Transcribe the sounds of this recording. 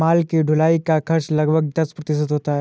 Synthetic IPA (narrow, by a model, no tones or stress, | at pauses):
aːlkiɖʱʊlaːikakʰɐɾʃlɐɡbʱəɡ̚d̪ɐspɾɐt̪ɪʃ̬ɪt̪ɦoːt̪aɦɛ